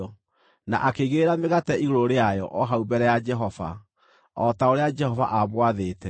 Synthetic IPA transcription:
ɔ | na̰ʔakeɣeɾameɣatɛʔiɣoɾoɾeajɔ̰ʔɔɦaubɛɾɛjad͡ʒɛɦɔva̰ | ɔtaoɾead͡ʒɛhɔva̰ʔamwaðeːtɛ

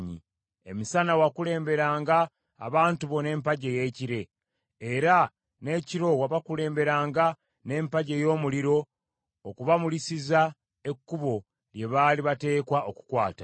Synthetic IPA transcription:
ɲḭ | e̞̰misanawakule̞ːmbe̞ɾaːŋɡa̰ː | βaːntuβo̞ne̞ːmpaɟe̞je̞ːciɾe̞ | eɾa | ne̞ciɾo̞waβakule̞ːmbe̞ɾaːŋɡa | ne̞ːmpaɟe̞jo̞ːmuliɾo̞ː | kuβamulisiza | e̞kːuβo̞ | lje̞βaliβate̞ːkwaʔoku̥kwaːta

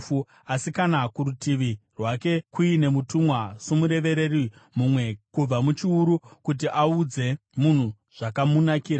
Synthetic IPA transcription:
u | asikanakuɾutiʋirwake̞kuine̞mutumwasomuɾe̞ʋe̞ɾe̞rimumwe̞kub͡vamut͡ʃiuɾukut̬iʔaud͡ze̞ | mun̤u | ʐ̥akamunakiːɾa

